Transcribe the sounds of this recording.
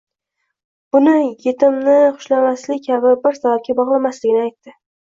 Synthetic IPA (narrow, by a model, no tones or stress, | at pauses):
b̥ʊnɪje̞t̪ʰɪmnɪχʊ̥ʃlamaslɪkʲʰabɪbɪɾsabap̚kʲabɒʁlˠamaslɪɡʲɪnɪajt̪ːɪ